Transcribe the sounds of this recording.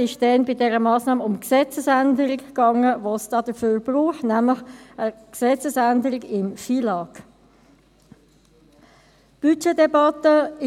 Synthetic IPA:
ɪʃd̥ɛnbɪdɛʁəmɑːsnɑːmʊmksɛt͡səsændəʁɪkːɑŋəʋosd̥ɑːd̥əføːɾb̥ʁuːχtnæmləχəksɛt͡səsændəʁɪɡɪmfilɑːk | b̥yt͡ʃedɛbɑt̪əɪ

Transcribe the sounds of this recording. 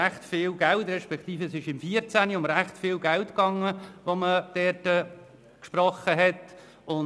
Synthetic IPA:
æχtfɪːlɡæltɾɛʃpɛkχtiːfəɛsɪʃɪmfiəɾt͡sæniʊnɾæχtfɪːlɡæltkɑŋːəʋoməd̥ɛːtə | kʃpɾɔχəɦɛt | ʊn

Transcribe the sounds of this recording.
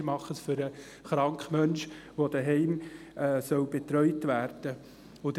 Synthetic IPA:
mɑχəsfʏɾə | χɾɑŋkχmœnʃʋod̥̪əɦɛɪm | ɛːsœwbet̪ɾœʏtʋæːɾd̥ə | od̪ə

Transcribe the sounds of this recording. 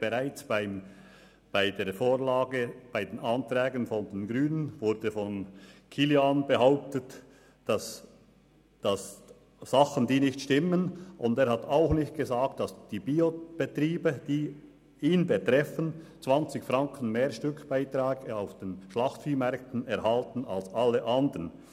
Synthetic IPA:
b̥əʁaɪt͡sbaɪ | b̥aɪdeːfoːɾlaːɡəb̥aɪdeːnɑntrɛːɡənfɔndenɡʁyːnənvʊɾdəfɔnkʰiljanbəhaʊp̚tət | d̥ɑs | d̥ɑs | z̥ɑχəndiːnɪçtʃtɪmənʔʊndeːɾhɑtʰaʊxnɪçt̚ɡ̥əzaːk̚td̥ɑsd̥iːbiːob̥ətriːbəd̥iː | iːnbətɾɛfənt͡svɑnt͡sɪçfɾɑŋkʰən̩meːɾʃtʏkb̥aɪtɾaːɡaʊfd̥enʃlɑχtfiːmɛɾk̚tn̩ɛɾhɑltn̩a̰lsʔɑlːəʔɑndən

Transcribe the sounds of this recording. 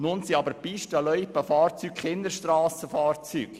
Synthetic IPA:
nʊnsiɑbəɾpiʃtəlœʏpːəfɑːrt͡sykχɪnd̪əɾʃtrɑːsəfɑːrt͡syːk

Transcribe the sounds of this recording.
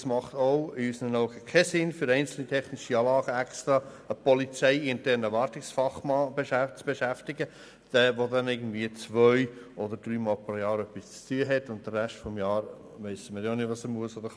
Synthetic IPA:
smɑχt̪oʊɪysənənɔʊɡəkʰɛsɪnfʏɾɛɪnt͡sl̩nitʰɛχnɪʃiɑːlɑːɡ̥əækst̪ɾɑ | əpɔlit͡sɛɪɪntɛɾnəʋɑɾtɪksfɑχmɑːbeʃæt͡sb̥eʃæftɪɡə | d̪̥ɛːʋodɛnɪɡən̩dviət͡sʋœʏɔd̪əɾdɾyːmɑːlpɾojɑːɾœpːist͡styəɦɛtːʊnt̚d̥̪ərːɛʃtfɔmjɑːɾ | ʋɛɪsəmɪɾjonɪtʋɑsəmuəsod̪əɾ

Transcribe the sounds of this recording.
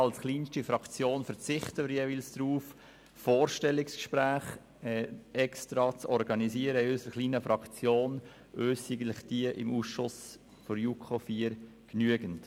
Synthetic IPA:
ɑlsχliːnʃtifɾɑkt͡sjoːnfɛɾt͡sɪχtəməɾjeːvilsd̥ɾuːf | foːɾʃtɛlːɪkskʃpɾæːχ | ɛɛkstɾɑt͡sɔɾɡɑniziːəɾəɪøsəɾəχliːnəfɾɑkt͡sjoːn | ʔøːsiɡətlɪχd̥iəʔɪ̰muːsʃʊs | fɔɾjuːkʰofiːəɾ | knyəɡənt

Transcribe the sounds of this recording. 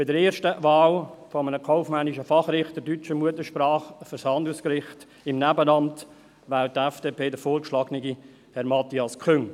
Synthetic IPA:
b̥ɪdəɾeːɾʃtəvaːlfɔmənəkʰɔʊfmæniʃəfɑχɾɪχtədyt͡ʃəmuətəʃpɾɑːχfəɾshɑnd̪ʊskɾɪχt | ɪmnæbənɑmt | ʋæːltɛfd̥eːpʰeːdəfoːɾkʃlɑːɡniɡi | hɛɾmɑt̪iɑskʰʏŋ

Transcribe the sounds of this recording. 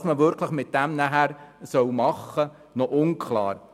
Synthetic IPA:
sməʋʏɾkʰləχmɪt̪̚d̥æmnæɦæɾsœwmɑχːə | nɔʔʊnkʰlɑ̰ːɾ

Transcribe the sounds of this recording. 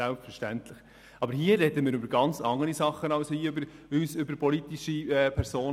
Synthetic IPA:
ælpffəɾʃtænt̪ləχ | ʔɑbəɾhiːəɾɛdəmɪːɾʏbəɾɡɑnt͡sɑŋːəɾisɑχːənɑʊshiːøbəɾyːsʏbəɾpɔlit̪iʃiɛːpʰɛɾsoːn

